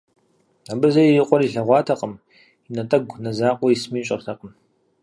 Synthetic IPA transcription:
abɨzɐjijɪqʷʼɔɾiɬɐʁʷɑːtʰɐqʼəm | inɐtʼɐɡʷnɐzaːqʷʼɔjismiːɕʼɐ̰rtʰɐqʼəm

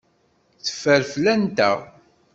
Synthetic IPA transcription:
θə̥fːəɾflænt̪æ̰

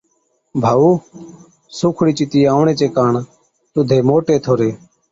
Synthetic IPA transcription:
bʱaːuː | sʊːkʰɽiːt͡ʃɪt̪iːaːʊɳeːt͡ʃeːkaːɳ | t̪ʊd̪ʱeːmoːʈeːt̪ʰoːɾeː

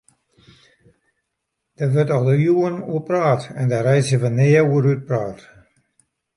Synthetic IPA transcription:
d̥əʋøtɔlˠdəjuənuəpraːtɛndarɛjsəvənɪːəuəɾyt̚praːt

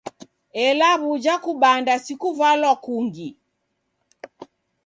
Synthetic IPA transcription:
ɛlaβud͡ʒakuɓandasikuvalwakuŋɡi

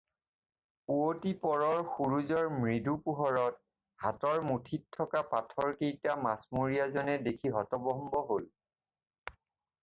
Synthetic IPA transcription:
uotipɔɹɔɹxuɹuzɔɹmɹidupuɦɔɹɔt̚ | hatɔɹmutʰitʰːɔkapatʰɔɹkejtamasmuɹijazɔnɛdekʰiɦɔtɔbɔmbɔɦol

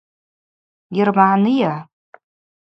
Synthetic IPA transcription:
ɪrmaʕnɨja

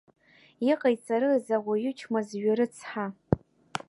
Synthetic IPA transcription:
iqʼajt͡sʼaɾɨzaʁʷajʏt͡ʃʰmazɥaɾɨt͡sʰħa

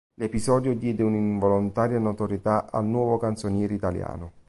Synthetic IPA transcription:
lepizɔːd̪jod̪jɛːd̪ɪuniɱvolont̪aːɾjanot̪oɾjet̪aʔa̰lnwɔːvokant̪sonjɛːɾit̪alja̰ːnʊ

